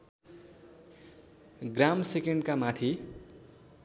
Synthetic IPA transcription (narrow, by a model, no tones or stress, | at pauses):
ɡramsekeɳɖkamat̪ʰi